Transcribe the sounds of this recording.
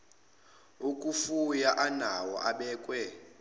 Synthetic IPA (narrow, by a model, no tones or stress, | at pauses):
ukʼufujaʔanawɔ̰ʔaɓɛːkʼwɛ